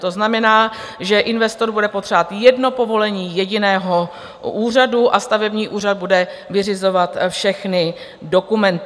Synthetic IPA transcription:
t̪o̞znamɛnaːʒɛʔɪnvɛst̪o̞ɾbudɛpot̪r̥aːt̪jɛdno̞po̞vo̞lɛɲiːjɛɟɪnɛːɦo̞ | ʔuːr̝aduʔast̪avɛbɲiːʔuːr̝ad̪̚budɛvɪrɪzo̞vat̪fʃɛxnɪ | do̞kumɛnt̪

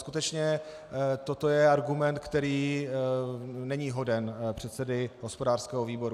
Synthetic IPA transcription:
skut̪ɛt͡ʃɲɛ | t̪ot̪o̞jɛaɾɡumɛnt̪̚kt̪ɛɾiː | nɛɲiːɦo̞dɛnpr̝̥ɛt̪sɛdɪɦo̞spo̞daːr̥skɛːɦoviːbo̞ɾu

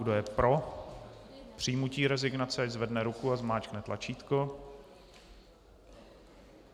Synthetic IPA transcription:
ɡdojɛpɾo̞ | pr̝̥ijmuciːɾɛzɪɡnat͡sɛaɟzvɛdnɛɾukuazmaːt͡ʃknɛt̪lat͡ʃiːt̪ko

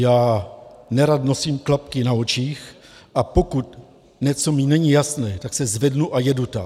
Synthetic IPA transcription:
jaːnɛɾat̪no̞siːmklapkɪnaot͡ʃiːx | ʔapo̞kut̪ | ɲɛt͡so̞minɛɲijasnɛːt̪aksɛzvɛdnuʔajɛdut̪a

